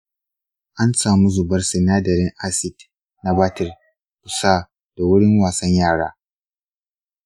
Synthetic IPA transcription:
ʔa˦nsaː˨mu˦zʊ˨bɐ˦rsɪ˨naː˦dɐ˨ɾɪ˦ŋʔa˦sɪ˨d | na˨ba˦tɪ˨r | kʊ˨saː˦ | d̥a˨wʊ˦ɽɪ˦ŋwaː˨sɐ˦ɲjaː˦˨ɽa̰ː˦

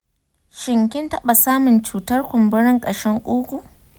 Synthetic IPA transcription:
ʃɪ˨ŋkʲɪ˦ntɐ˦ɓa˨saː˦mʊ˨nt͡ʃuː˨tɐ˦rkʷʊ˨mbɪ˦ɽɪ˦ŋkʼɐ˨ʃɛ˦ŋkʷʼuː˦kʷu˨ʔ

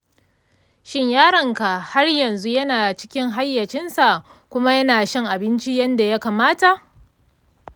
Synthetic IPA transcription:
ʃɪ˦ɲjaː˦ɽɐ˨ŋka˨ha˦rjɐ˨nzu˦jɐ˦naː˨t͡ʃɪ̥˦kʲɪ˦ŋɦa˦jːɐ˨t͡ʃɪ˦nsa˨ʔ | kʷʊ˦ma˦jɐ˦naː˨ʃɪ˦ŋʔa˨bɪ˦nt͡ʃi˦jɐ˦nda˨ja˦kaː˨maː˦ta˨ʔ

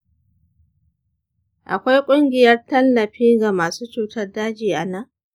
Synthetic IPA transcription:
ʔa̰˨kʷa˦jkʷʼʊ˦ŋɡʲɪ˨jɐ˦rtɐ˦lːɐ˨ɸiː˦ɡa˨maː˨suː˦t͡ʃuː˨tɐ˦rdaː˦d͡ʒiː˨ʔa˨na˦

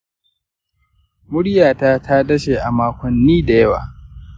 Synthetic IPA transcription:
mʊ˦ɽjaː˨taː˦tʰa˦dɐ˦ʃeː˨ʔa˨maː˦kʷɔ˨nːiː˦da˨jɐ˦wa̰ː˨

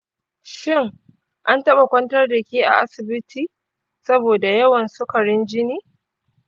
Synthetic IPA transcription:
ʃɪ˦ŋ | ʔa˦ntɐ˦ɓa˨kʷɐ˦ntɐ˦rdɐ˨kʲiː˦ʔa̰˨ʔa˦sɪ˨bɪ˦tʰiː˨ | sɐ˦boː˨da˨jɐ˦wɐ˨nsʊ˦kɐ˨ɽɪ˦nd͡ʒɪ˦niː˦

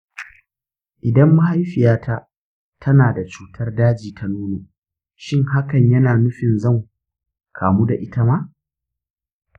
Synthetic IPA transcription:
ʔɪ˨dɐ˦mːu˦ha˦jɸɪ˨jaː˦tʰa˦ | tʰɐ˦naː˨da˨t͡ʃuː˦tʰɐ˦rdaː˦d͡ʒiː˨tʰa˦nuː˦noː˨ | ʃɪ˦ŋɦa˦kɐ˨ɲjɐ˦naː˨nʊ˦ɸɪ˨nzɐ˦˨ŋ | kʰaː˨muː˦da˨ʔɪ˦ta˦ma˦

